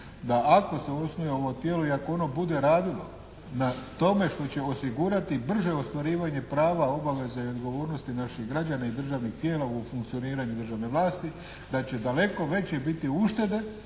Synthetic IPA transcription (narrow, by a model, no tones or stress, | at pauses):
d̪aako̞se̞o̞snojeo̞ʋo̞t̪jeːlo̞iakoo̞no̞bud̪e̞ɾaːd̪ilo | nat̪o̞me̞ʃt̪o̞t͡ɕe̞o̞siɡuɾat̪ibr̩ʒeost̪ʋaɾiːʋaɲe̞pɾaːʋao̞baʋe̞zaio̞d̪ɡo̞ʋo̞ːɾnost̪inaʃiɣɡɾad͡ʑanaid̪r̩ʒaːʋnixt̪jeːlaufuŋk̚t̪io̞niːɾaɲud̪r̩ʒaːʋne̞ʋlaːst̪i | d̪at͡ɕe̞d̪ale̞ko̞ʋe̞t͡ɕebit̪iuʃt̪e̞d̪e̞